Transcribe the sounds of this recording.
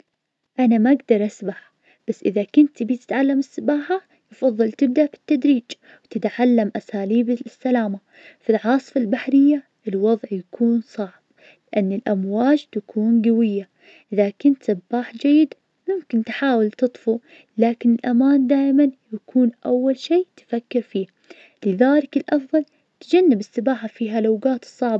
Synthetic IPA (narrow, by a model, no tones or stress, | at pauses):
ʔanamaʔaɡd̪ɑɾˤʔasbaħ | b̥asːʔɪðakʊnt̪bit̪ɪ̥t̪ʕalːamɪsːɪbaːħa | jɨfɑðˤːɨlt̪ɪb̚d̪aʔbi̥t̪ːad̪ɾiːd͡ʒ | wt̪ɪt̪ʕalːamʔasaːliːbsːalaːma | fɪlʕɑːsˤfalbaħɾɪjːa | ʔɪlwɑðˤʕjakʰuːnsˤɑʕb̥̚ | lɪʔanːɪlʔamwaːd͡ʒt̪akʰuːnɡawɪjːa | ʔɪðakɪnt̪sabːaːħd͡ʒajːɪd̪ | mʊmkɪnt̪ħaːwɪlt̪ɨt̪ˤfu | laːkɪnɪlʔamaːnd̪aːʔmanjakʰuːnʔawːalʃiːt̪fakːɪɾfiː | lɪðaːlɪkɪlʔɑfðˤɑl | t̪d͡ʒanːɪbɪsːɨbaːħafiːɦalawɡaːt̪sˤːɑʕba